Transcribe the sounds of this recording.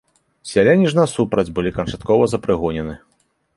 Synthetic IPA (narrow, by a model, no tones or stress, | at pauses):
sʲalʲenʲiʐnɐsupɾɐd͡zʲbɨlʲikɐnt͡ʂat̪kɔvɐzɐpɾɨɣɔnʲɛnɨ